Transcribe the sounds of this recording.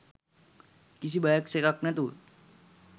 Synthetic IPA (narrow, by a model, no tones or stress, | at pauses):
kis̬ibajaksekak̚nat̪u